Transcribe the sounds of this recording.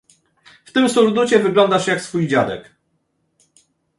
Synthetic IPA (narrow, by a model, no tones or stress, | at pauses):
ft̪ɘmsuɾd̪ut͡ɕɛvɘɡlɔnd̪aʂjaksfujd͡ʑad̪ɛ̰k